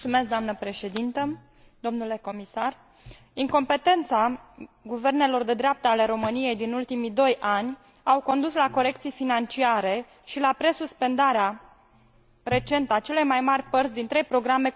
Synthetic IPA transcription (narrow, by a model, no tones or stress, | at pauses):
sumeskd̪oamnəpɾe̞ʃe̞d̪int̪ə | d̪o̞mnule̞ko̞misar | iŋko̞mpe̞t̪e̞nt̪saɡuve̞rne̞lo̞rd̪e̞d̪ɾeap̚t̪əale̞ɾo̞mɨnije̞jd̪inult̪imid̪o̞janʲ | awko̞nd̪uslako̞ɾe̞k̚t̪sijfinant͡ʃiaɾe̞ | ʃilapɾe̞suspe̞nd̪aɾea | re̞t͡ʃe̞nt̪əat͡ʃe̞lo̞jmajmarʲpərt̪sʲd̪int̪ɾe̞jpɾo̞ɡɾame̞